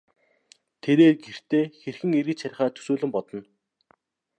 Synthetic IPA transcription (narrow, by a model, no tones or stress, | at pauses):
t̪ʰeɾeːɡer̥t̪eːxerxɘ̆ŋeɾɘ̆t͡ɕsaɾ̆ʲχaːt̪ʰɵ̥soːɮɘ̆mpɔt̪ɞ̆n